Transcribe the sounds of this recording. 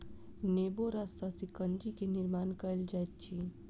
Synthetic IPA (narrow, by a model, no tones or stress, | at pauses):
neboɾasasikənd͡ʒikeniɾmaːnkəjld͡ʒajt̪̚t͡ʃʰi